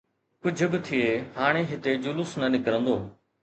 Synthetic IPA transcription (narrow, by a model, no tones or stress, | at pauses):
kʊd͡ʑʱʊbɪt̪ʰieːhaːɽ̃eɦɪt̪ed͡ʑʊlʊsnɐnɪkɾə̃nd̪oː